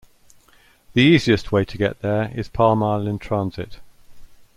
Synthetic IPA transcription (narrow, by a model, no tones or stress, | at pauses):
ðiiːziɪstʰweɪtʰəɡɛ̰ʔðəɹɪ̰z̥pʰɑːmɑɪlə̃ntʰɹ̥ɑ̃nz̥ɪ̰t